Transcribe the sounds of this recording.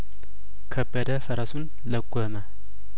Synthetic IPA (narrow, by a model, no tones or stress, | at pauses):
kʰəbːəd̪əfəɾasun | ləɡʷoma